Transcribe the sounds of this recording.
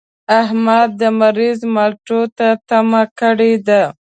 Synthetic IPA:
aɦmad̪̚ːəmaɾizmalʈot̪at̪amakəɽed̪a

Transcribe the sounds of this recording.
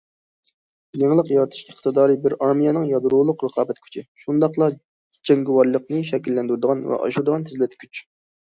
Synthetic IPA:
neŋlˠəqjɑɾt̪ʰu̥ʃəχt̪ɨd̪ɑːɾɨbɪɾɑɾmijɛnɨŋjɑd̪ɾulˠʊqɾəqʰɑːbɛt̪kʲʰy̥t͡ʃʰɪʃund̪ɑχlˠɑ | d͡ʒɛŋɡʲɪwɑɾlˠəq̚nɨʃɛkʲilːɛnd̪yɾd̪əʁɑnvɛ̰ʔɑ̰ʃuɾd̪əʁɑnt̪ʰɪzlɪt̪ɪkʰʲyt͡ʃ

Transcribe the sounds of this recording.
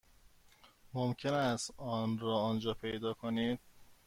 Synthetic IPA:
momcʰe̞næst̪ɒːnɾɒːɒːnd͡ʒɒːpʰe̞jd̪ɒːkʰoniːd̪̥̚

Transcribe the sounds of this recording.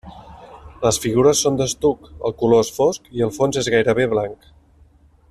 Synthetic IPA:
ləsfiɣ̞uɾəsːond̪əst̪ukə̰lˠkuloesfoskiəlˠfonzezɣajɾəβeβlaŋk

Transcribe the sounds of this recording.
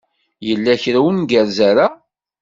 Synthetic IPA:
jəlːæçɾæwənɡəɾzæɾa

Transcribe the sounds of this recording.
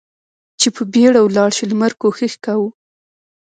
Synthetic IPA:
t͡ʃepəbeɽawlɑɽʃilmaɾkoxixkawu

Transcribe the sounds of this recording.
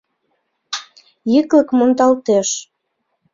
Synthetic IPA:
jikləkmont̪ɑlt̪eʃ

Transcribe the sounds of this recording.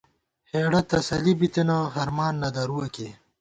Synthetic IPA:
heːɽɐt̪ɐsɐlibit̪enoɦɐɾmɑːnːɐd̪ɐɾuwɐke

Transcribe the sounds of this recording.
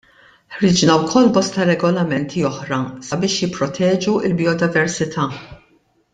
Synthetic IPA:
ħɾɪd͡ʒnɐwkʰɔlːbɔst̪ɐɾɛɡɔlɐmɛnt̪ʰiɔħɾɐsɐbɪːʃjɪpːɾɔt̪ʰɛːd͡ʒuɪlbiɔd̪ɪvɛɾsɪt̪ʰɐː

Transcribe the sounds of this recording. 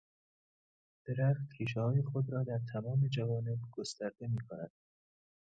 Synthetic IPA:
d̪̥eɾæxt̪kʰiːʃ̬ɛhɒːjexod̪ɾɒːd̪æɾt̪ʰæmɒːme̞d͡ʒævɒːne̞bɡ̥ost̪æɾd̪e̞miːkʰonæ̰d̪̥̚

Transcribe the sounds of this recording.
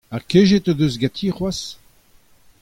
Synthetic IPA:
akeʒet̪od̪øzɡat̪ʰiχwas

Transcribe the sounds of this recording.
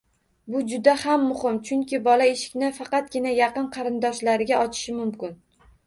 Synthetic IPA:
bʊd͡ʒʊd̪ahamːʊhɪmt͡ʃʰʊŋkʲɪbɒlaeʃɪ̥kʲnɪfɑqɑt̪̚ɡʲɪnajɑqɨnqʰɑɾɪnd̪ɒʃlaɾɪɡʲaɒt͡ʃʰɪ̥ʃɪmʊmkʲɪn

